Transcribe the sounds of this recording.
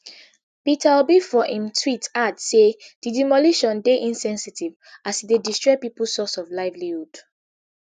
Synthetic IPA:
pitʰaubifɔʔĩmtʰwitadsed̥idimɔliʃɔ̃ndeʔĩnsɛ̃nsitiv | asidedistɹɔpipusɔsɔvlaɪvliud

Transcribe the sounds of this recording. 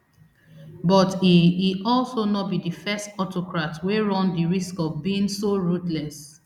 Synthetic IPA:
bɔtiiɔlsonɔt̚bidifɛstɔtʰokɹatweɹɔ̃ndiɹiskɔvbiĩŋsoɹutlɛs

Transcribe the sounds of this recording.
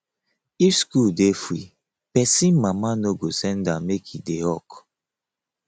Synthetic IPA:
ifskuldefɾi | pɛsĩnmamanoɡosɛ̃ndãmekʰideɔk

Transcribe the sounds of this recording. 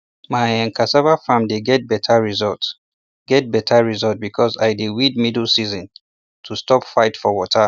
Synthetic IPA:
majãnkʰasabafãmdeɡɛt̚bɛtʰaɹizɔlt | ɡ̥ɛt̚bɛtʰaɹizɔlt̚bikʰɔza̰jdewid̚midl̩ˠsizə̃n | tʰustɔpfaɪtfɔwɔtʰa

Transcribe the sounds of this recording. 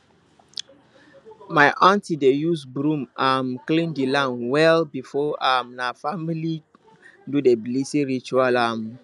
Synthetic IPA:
maɪʔãntidejusbɹũmʔãmklĩndilãmwɛlbifɔamnafamili | dudeblisĩɹit͡ʃualam

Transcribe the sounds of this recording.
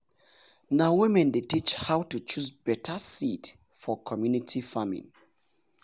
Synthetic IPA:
nawimɛ̃ndetit͡ʃhawtut͡ʃusbɛtʰəsit | fɔkʰɔmjunitʰifamḭ̃ŋ

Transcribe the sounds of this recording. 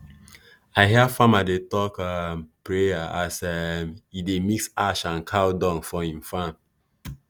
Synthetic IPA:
aɪɦɛfãmadetɔkampɹejaʔasɛmidemiksaʃãnkʰawdɔ̃ŋfɔĩmfãm

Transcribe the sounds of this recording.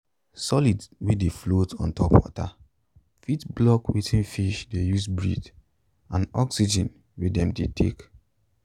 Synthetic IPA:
sɔlidwideflotɔ̰̃ntɔpwɔ̰ta | fitblɔkwitʰĩnfiʃdejusbɹid | ãnɔksid͡ʒɛ̃n | widɛ̃mdetʰḛk

